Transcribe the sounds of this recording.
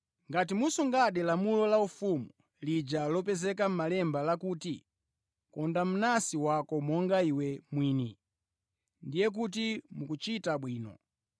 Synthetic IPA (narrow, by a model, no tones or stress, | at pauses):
ŋɡat̬imusuŋɡaɗɛlamulɔlaufumu | lid͡ʒalɔpɛzɛkam̩malɛmbalakuːti | kɔndam̩nasiwakɔmɔŋɡaiwɛmwiːni | ndijɛk̬utimukut͡ʃitaɓwiːnɔ̰